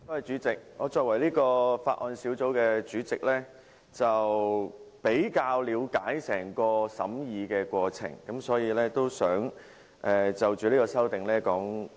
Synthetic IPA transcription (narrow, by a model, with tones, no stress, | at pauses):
oː˨˥hɐ˨jt͡ʃyː˨˥t͡sɪ˨k̚ŋɔː˨˧t͡sɔː˨˧kwɐ˨˩jliː˥kɔː˧faː˧t̚ʔɔː˨˧nsi˨˥wt͡so˨˥wkɛː˧t͡ʃyː˨˥t͡sɪ˨k̚lɛː˥ | t͡sɐ˨wpe˨˥jkaː˧wliː˨˧wkaː˨˥jsɛː˨˩ŋkɔː˧sɐ̰˨˥mjiː˨˧kɛː˧kwɔː˧t͡sʰɪ̰˨˩ŋkɐ˨˥msɔː˨˥jiː˨˧lɛː˥t̪o˥wsœː˨˥ŋ | ʔɛ˨t͡sɐ˨wt͡ʃyː˨liː˥kɔː˧sɐ˥wt̪ɪ˨ŋlɛː˥kɔː˨˥ŋ